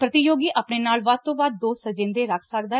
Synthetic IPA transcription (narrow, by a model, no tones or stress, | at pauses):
pɾət̪ijoːɡiːʔaːpneːnaːlʋaːt̪õːbaːd̪̚ːoːsəd͡ʒɪ̃nd̪eːɾəkʰsəkd̪aː